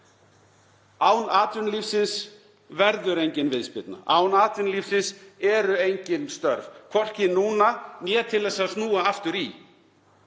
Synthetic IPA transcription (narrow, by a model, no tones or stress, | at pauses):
aːwnaːt̪ɾʏnliːfsɪns | vɛɾðʏɾejɲcɪnvɪðspɪt̪na̰ʔaːwnaːt̪ʏnlifsɪnsɛɾʏejɲcɪnst̪œɾvkʰvɔr̥cɪnuːnanjɛːt̪ʰɪlːɛsaðsnuːaaft̪ʏɾi